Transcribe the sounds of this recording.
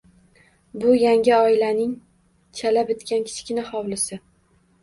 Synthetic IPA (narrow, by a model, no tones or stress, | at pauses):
bʊjaŋʲɪɒɪlanɪŋ | t͡ʃʰalabɪt̪kʲankʲʰɪ̥t͡ʃkʲɪnɪχɒwlɪsɪ